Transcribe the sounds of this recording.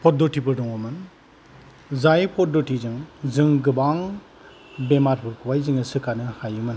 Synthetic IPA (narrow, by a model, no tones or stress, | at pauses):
pʰɔt̚dɔtibɯdɔŋɔmɯn | zajpʰɔt̚dɔtizɯŋzɯŋɡɯbaŋ | bemaɾpʰuɾkʰuwajzɯŋɯsɯkanɯhajɯmɯn